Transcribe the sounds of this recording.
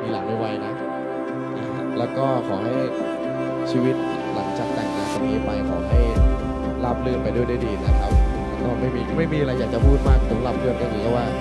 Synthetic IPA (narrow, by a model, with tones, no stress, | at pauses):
miː˧la̰˨˩˦naː˥˩wa˧jna˦˥ʔ | ʔaː˧˩ | lɛː˦˥wkɔː˥˩kʰɔː˩˦ɦa˥˩j | t͡ɕʰiː˧wi˦˥t̪̚la˩˦ŋt͡ɕaː˨˩k̚t̪ɛ˨˩ŋkaː˧˩nsʰo˨˦nlɤː˧pa˧jkʰɔː˩˦ɦa˥˩j | la˦˥p̚lɯ˥˩ənpa˧jdu˥˩əjdwuː˥˩jdiː˧na˦˧kʰa˦˥p̚ː | kɔː˥˩ma˥˩jmiː˧ma˥˩jmiː˧ʔa˧ɾa˧jːaː˨˩k̚t͡ɕa˨˩pʰuː˥˩t̪̚maː˥˩k̚nʰo˨˩˦nla˦˥p̚lɯ˧˥ənka˧nɯː˨˩kʰaː˦˥waː˥˩